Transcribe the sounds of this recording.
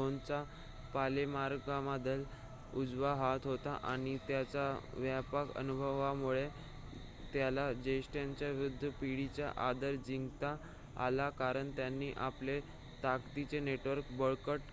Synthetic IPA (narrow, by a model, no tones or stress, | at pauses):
ont͡sa | palemaɾɡɡamad̪ʱəl | ud͡zʋaɦat̪ɦot̪a̰ʔa̰ɽ̃it̪jat͡saʋjapəkə̰nubʱəʋamuɭe | t̪jalad͡ʑesʈjaɲt͡ɕjaʋɾud̪ʱːəpiɽit͡ɕja̰ʔad̪əɾd͡ʑiŋɡt̪a̰ː | lakaɾəɳt̪janːiːʔa̰ple | t̪akt̪it͡seneʈʋəɾkbəɭkəʈ